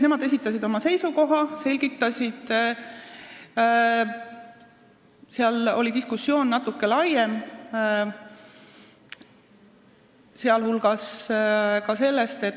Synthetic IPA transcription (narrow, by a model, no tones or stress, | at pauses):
ne̞mɑd̪e̞s̬it̪ːˑɑs̬ʲid̪o̞mɑse̞jsuko̞ɦɑse̞lʲɡ̥it̪ːˑɑsʲid̪̥ | seɑlo̞lid̪iskusːjo̞ːnnɑt̪ːukːe̞lɑjem | seɑlhulɡ̥ɑs | kɑse̞lːe̞st̪e̞t̪